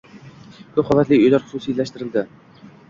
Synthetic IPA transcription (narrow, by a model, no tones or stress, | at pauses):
kʰɵpχɒlˠat̪lɪɵjlaɾχʊ̥susiːlæʃt̪ɪɾɪld̪ɪ